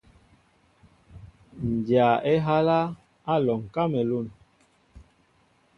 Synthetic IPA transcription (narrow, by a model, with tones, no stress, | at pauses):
n˨d͡ʒja˨ɛ˦ɦa˦la˦ | a˦lɔ˨ŋ˨ka˦mɛ˨lu˦˨n